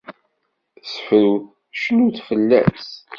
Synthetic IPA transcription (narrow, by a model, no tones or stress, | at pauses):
səfɾuw | ʃnuθfəlːæ̰s